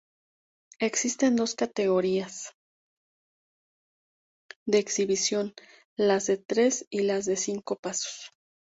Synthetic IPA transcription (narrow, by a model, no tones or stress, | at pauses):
e̞ksist̪e̞nd̪o̞skat̪e̞ɣo̞ɾias | d̪e̞ːksiβisjo̞n | lazðe̞t̪ɾe̞silazðe̞siŋko̞paso̥s